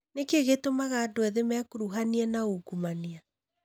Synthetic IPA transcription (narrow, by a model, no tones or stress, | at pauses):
nekeɣetomaɣaːdoɛðemɛkoɾuɦaniɛnaoɡumania